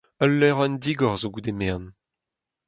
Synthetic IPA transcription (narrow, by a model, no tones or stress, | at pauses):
ɔlːɛʁɛnd̪iɡɔʁzoɡud̪emɛʁn